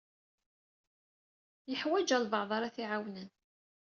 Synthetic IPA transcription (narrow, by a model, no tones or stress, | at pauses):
jəħwæd͡ʒælvəʕðˤɑɾˤaθiʕawnən